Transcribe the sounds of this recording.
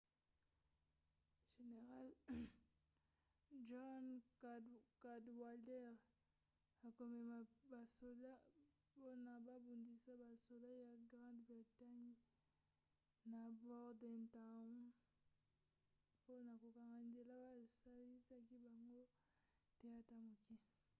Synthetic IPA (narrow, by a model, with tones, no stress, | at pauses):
ʒe˨ne˨ʁa˦l | ʒɔ˦n | ka˨dwa˨lɛ˦ʁ | a˨ko˨mɛ˨ma˨ba˨so˨la˦ | po˦na˨ba˦bo˨ndi˨sa˦ba˨so˨la˦ja˨ɡʁã˦ndbʁi˨ta˦ɲ | na˨bɔ˦ʁdɛ˨nta˨˦ | po˦na˨ko˨ka˨ŋa˨nde˨la˦ba˦sa˦li˦sa˦ki˦ba˨ŋɡo˦ | te˦a˦ta˦mu˨ki˦